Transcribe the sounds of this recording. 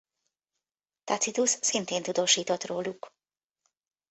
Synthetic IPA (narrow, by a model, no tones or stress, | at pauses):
t̪ɑ̰t̪sit̪usːint̪eːnt̪ud̪oːʃiːt̪o̞t̪roːluk